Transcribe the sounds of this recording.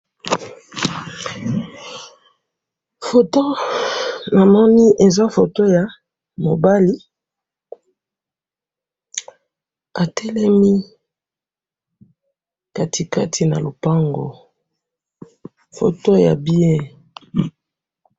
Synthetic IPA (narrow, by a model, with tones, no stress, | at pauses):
fo˨to˦ | na˨mɔ˦ni˦ʔe˨za˦fo˨to˦ja˨ | mo˨ba˦li˦ | a˨tʰɛ˦lɛ˦mi˦ | ka˦tʰi˨ka˦tʰi˨na̰˨lo˨pa˦ŋɡo̰˨ | fo̰˨to˦ja̰˨bi˦e˦